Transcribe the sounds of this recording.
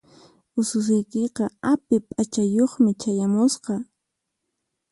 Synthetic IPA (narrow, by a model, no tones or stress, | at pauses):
ʊsʊs̬ʊjkeqɑapɪpʼat͡ʃajoχmɪt͡ʃajamʊsqɑ